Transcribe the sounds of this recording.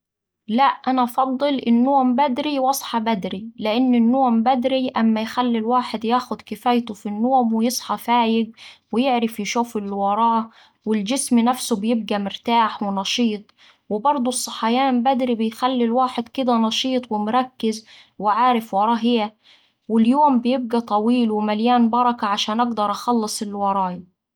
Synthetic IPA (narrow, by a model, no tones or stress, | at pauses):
læʔʔænæfɑd̪ˤːɨlʔɪnːoːmbæd̪ɾiwɑsˤħɑbæd̪ɾilɪʔɪnːɪnːoːmbæd̪ɾiʔæmːæjxælːilwaːħɪd̪jaːxʊd̪kɪfæjt̪ʊfinːoːmwɪjɨsˤħɑfaːjɪɡ̚wɪjɪʕɾɪfjɪʃuːfɪlːɪwɑɾˤɑː | wɪld͡ʒɪsmnæfsʊbjɪb̚ɡæmɪɾt̪aːħwɪnɑʃiːt̪ˤ | wɪbɑɾˤd̪ˤusˤːɑħajaːmbæd̪ɾibɪjxælːilwaːħed̪kɪd̪ænɑʃiːt̪ˤwɪmʊɾˤɑkːɪz | wɪʕaːɾɪfwɑɾˤɑːɦɪjæ | wɪljoːmbɪjɪb̚ɡæt̪ˤɑwiːlwɪmæljaːnbɑɾˤɑkaʕaʃæːnʔɑɡd̪ɑɾˤʔɑxɑlːɨsˤɪlːwɑɾˤɑːj